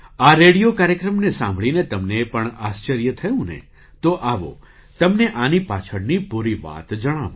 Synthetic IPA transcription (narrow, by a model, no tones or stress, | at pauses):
aɾeɽijokaɾjəkɾəmnesã̰mbʱɭinet̪əmnepəɳast͡ʃəɾjət̪ʰəjũnḛ | t̪oʔaʋo̰ | t̪əmneʔanipat͡ʃʰəɽnipuɾiʋa̰t̪d͡ʒəɽ̃aʋũ